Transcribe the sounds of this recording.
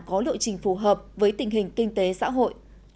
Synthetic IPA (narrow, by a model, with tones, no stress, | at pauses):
kɔ˨˦lɨ̰˧˨jt͡ɕï˨˩ŋ̟fu˧˩ɦəː˨˩p̚vəː˨˦jt̪ï˨˩ŋ̟ɦï˨˩ŋ̟kï˧ŋ̟t̪e˨˦sa̰ː˧˥ɦo̰˧˨jʔ